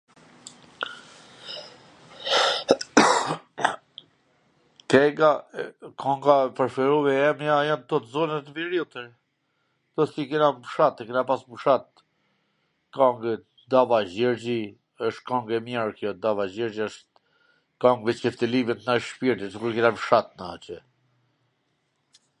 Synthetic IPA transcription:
kɛɡakʰɔŋɡapəɾfɛɾuvɛɛmjajant̪ɔt̪zɔnat̪viɾut̪əɾ | d̪̥ɔsikinabuʃat̪ːɛkinapasbuʃat̪̚ | kaŋɡ | d̪avaʒɛɾd͡ʑi | əʃt̪kɔŋɡɛmjaɾkjɔd̪avad͡ʑɛɾd͡ʑiəʃ | kaŋɡvɛt͡ʃkɛft̪əlimit̪naʃpiɾt̪isəkuɾkinabuʃat̪na̰t͡ɕɛ

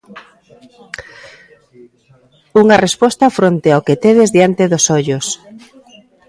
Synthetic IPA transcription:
uŋarespɔst̪ɐfɾont̪eawket̪eβezðjant̪eðosoʎʊs

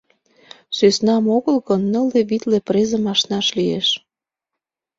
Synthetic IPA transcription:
søsnɑmoɣəlɣɤnːə̆leβit̪lepɾezə̆mɑʃnɑʃlijeʃ

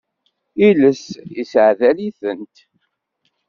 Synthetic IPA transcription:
iləsisʕðæliθənt̪

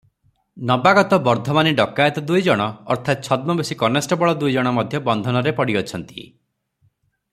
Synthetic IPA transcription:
nɔbaɡɔt̪ɔbɔɾd̪ʱɔmaniɖɔkajet̪ɔd̪ujd͡ʒɔɽ̃ɔ̰ːɾt̪ʰat̪̚t͡ʃʰɔd̪̚mɔbesikɔnesʈɔbɔɭɔd̪ujd͡ʒɔɽ̃ɔmɔd̪ʱjɔbɔnd̪ʱɔnɔɾepɔɽiɔt͡ʃʰɔnt̪ḭ

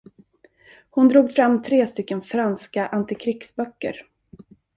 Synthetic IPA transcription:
hʊnd̪ɾuːɡfɾamːt̪ʰɾeːst̪ʏkːənfɾanskaʔant̪ɪkʰɾɪksbœkːə̰ɾ

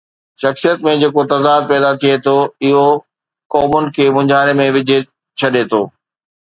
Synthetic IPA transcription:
ʃɐxsijət̪mẽd͡ʑeːkot̪ɐzaːd̪̚pɛːd̪at̪ʰiet̪ʰoɪɦo | kɔːmʊnɪ̆kʰeːmʊ̃ɲd͡ʑʱaːɾemẽʋɪd͡ʑʱe | t͡ɕʰɐɗet̪ʰoː

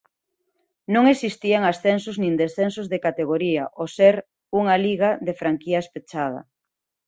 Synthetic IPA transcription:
nõŋesist̪iaŋasθensʊznĩnd̪esθensozðekat̪eɣ̞oɾiɐʔoseɾ | uŋaliɣaðefɾaŋkiaespet͡ʃað̞ɐ̰

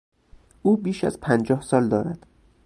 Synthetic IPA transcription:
ʔuːbiːʃæ̰zpʰænd͡ʒɒːhsɒːld̪ɒːɾæd̪̥

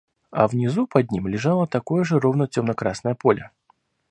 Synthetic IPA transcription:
ɐ̰vnʲɪzupɐd̪̚ʲnʲimlʲɪʐalˠət̪ɐkojəʐɨrovnətʲomnəkɾasnəjəpolʲə

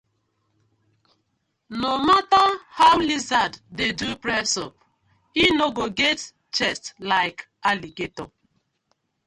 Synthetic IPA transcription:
nomatahawlizaddedupɹɛsɔp̚ | inoɡoɡɛt | t͡ʃɛstlaɪk | aliɡetɔ

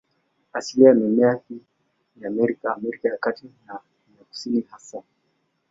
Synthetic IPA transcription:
asiliamɛmaki | jaːmɛɾikaːmɛɾikajakatina | naku̥sinihasa

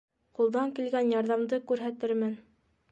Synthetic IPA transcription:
qulˠd̪ɑŋkilɡænjɑɾðɑmd̪ɤkʉɾɦæt̪ɘɾmɘn

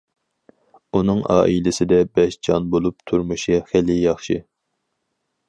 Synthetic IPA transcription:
unɨŋʔɑ̰ːʔilɪsɪd̪ɛbɛʃd͡ʒɑnbolˠup̚t̪ʰuɾmuʃiχælɪjɑχʃi

